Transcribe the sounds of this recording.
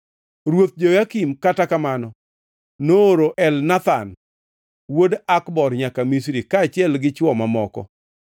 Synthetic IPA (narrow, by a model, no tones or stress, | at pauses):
ɾwot̪̚d͡ʒojakimkatakamanɔ | noːɾoʔɛlnat̪an | wodakbɔrɲakamis̬ɾikaːt͡ʃɪɛlɡɪt͡ʃwɔmamɔkɔ̰